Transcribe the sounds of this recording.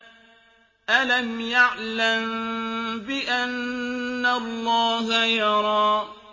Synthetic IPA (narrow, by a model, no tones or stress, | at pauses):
ʔalamjaʕlam | bɪʔanː | alˤːɑːɦajɑɾˤɑː